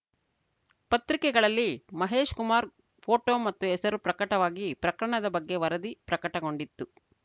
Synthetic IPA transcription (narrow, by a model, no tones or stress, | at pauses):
pɐt̪ɾikɛɡɐɭɐlːimɐɦe̞ːʃkumaːɾ | pʰo̞ːʈoːmɐt̪ːuɛsɐɾupɾɐkɐʈɐʋaːɡipɾɐkɾɐɳɐd̪ɐbɐɡːe̞ʋɐɾɐd̪ipɾɐkɐʈɐɡo̞ɳɖit̪ːu